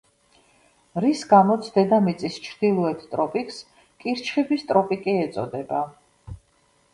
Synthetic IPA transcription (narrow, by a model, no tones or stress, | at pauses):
ɾisɡamɔt̪sʰd̪ɛd̪amit̪sʼist͡ʃʰɾd̪̥ilˠɔɛt̪ʰt̪ʼɾɔpʼikʰʼs | kʼiɾt͡ʃʰχibist̪ʼɾɔpʼikʼiɛt̪sʼɔ̰d̪ɛba